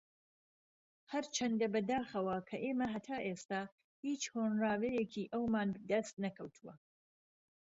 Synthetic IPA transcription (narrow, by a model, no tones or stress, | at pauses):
hɐɾt͡ʃʰɐnd̪ɐbɐd̪aːxɐwɐkʰɐʔeːmɐɦɐt̪ʰaːʔest̪aː | hiːt͡ʃhoːnraːvɛjekʰiːʔɐwmaːnbd̪ɐst̪̚nɐkʰɐwt̪ʰuwɐ